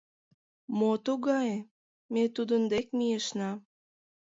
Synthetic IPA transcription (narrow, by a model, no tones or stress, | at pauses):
mot̪uɣɑj | met̪ud̪ənd̪ek̚mijeʃnɑ